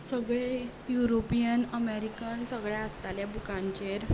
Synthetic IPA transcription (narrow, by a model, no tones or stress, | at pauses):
səɡɭe | juɾopijənəmeɾikənsəɡɭjaəst̪aljabukãɲt͡ɕeɾ